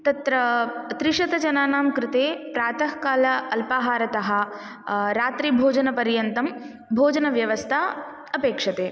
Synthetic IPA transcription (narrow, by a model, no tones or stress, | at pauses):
t̪ɐt̪ɾɐt̪ɾɪʂɐt̪ɐd͡ʒɐnaːnaːmkɾɪt̪eːpɾaːt̪ɐhkaːlɐɐlpaːɦaːɾɐt̪ɐɦɐ̆ | ɾaːt̪ɾibʱoːd͡ʒɐnɐpɐɾjɐnt̪ɐm | bʱoːd͡ʒɐnɐʋjɐʋɐst̪ʰaː | ɐpeːkʂɐt̪eː